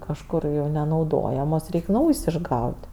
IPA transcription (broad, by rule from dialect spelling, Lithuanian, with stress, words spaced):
kɐʃˈkʊr jɛʊ nʲɛnɐʊˈdoːjɛmoːs ˈrʲɛɪkʲ ˈnɐʊjsʲ ɪʒˈɡɐʊtʲ